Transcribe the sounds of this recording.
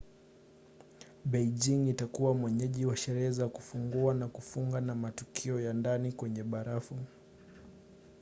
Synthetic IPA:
ɓɛid͡ʒiŋitakuwamwɛɲɛʄiwaʃɛɾɛhɛzakufuŋɡuanakufuŋɡanamatukʰiɔjandanikwɛɲɛɓaɾafu

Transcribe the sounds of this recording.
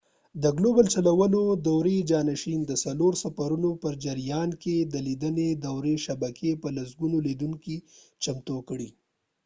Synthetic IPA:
d̪əɡlobalt͡ʃalawənod̪awɾed͡ʒɑnaʃind̪əsaloɾsafaɾunopəɾd͡ʒaɾijɑnked̪əlid̪əned̪awɾeʃabakʰepəlasɡunolid̪uŋki | t͡ʃamt̪okɽi

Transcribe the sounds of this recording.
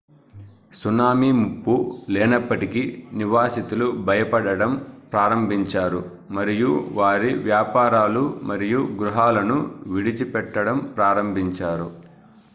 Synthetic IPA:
sunaːmimupːuleːnɐpːɐʈikiniʋaːsit̪ulubʱɐjɐpɐɽɐɽɐmpɾaːɾɐmbʱiɲt͡ʃaːɾu | mɐɾijuʋaːɾiʋjaːpaːɾaːlumɐɾijuɡɾuɦaːlɐnuʋiɽit͡ʃipɛʈːɐɽɐmpɾaːɾɐmbʱiɲt͡ʃaːɾṵ

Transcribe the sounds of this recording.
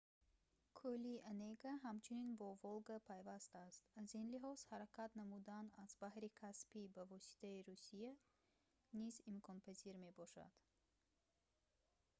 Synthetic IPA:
kʰulianeɡaɦamt͡ʃʰuninbɔvolɡapʰajvast̪ast̪azinliɦɔz̥haɾakʰat̪namud̪anazbahɾikʰaspibavɔsi̥t̪ʰaiɾusija | nizimkʰɔnpʰaziɾme̞bɔʃa̰d̪̥

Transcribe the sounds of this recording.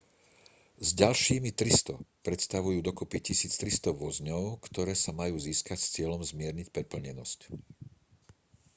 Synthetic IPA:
zɟalʃiːmit̪ɾist̪ɔpɾɛt̪st̪aʋujuːd̪ɔkɔpicisiːt͡st̪ɾist̪ɔʋɔzɲɔʊkt̪ɔɾɛːsamajuːziːskacst͡sɪɛlɔmzmɪɛɾɲicpɾɛpl̩ɲɛnɔsc

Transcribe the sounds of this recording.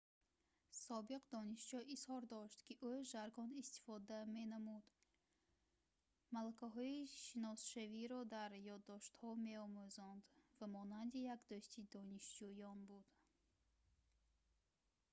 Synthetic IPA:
sɔbiqd̪ɔniʃd͡ʒɔʔishɔɾd̪ɔʃt̪kiʔuʒaɾɡɔnist̪i̥fɔd̪ame̞namud̪ | malakaɦɔiʃinɔsʃaviɾɔd̪aɾjɔd̪ːɔʃt̪hɔme̞ɔmuzɔnd̪vamɔnand̪ijakd̪øʃt̪ʰid̪ɔniʃd͡ʒujɔnbud̪̥

